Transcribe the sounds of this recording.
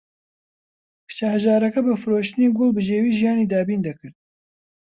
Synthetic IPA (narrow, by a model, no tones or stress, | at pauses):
pʰɨ̥t͡ʃɛhɛʒɑːɾɛkɛbɨfɨɾoːʃt̪ɨneːɡʊlbɨʒeːwiːʒijɑːniːd̪ɑːbiːnd̪ɐkɨɾt̪̚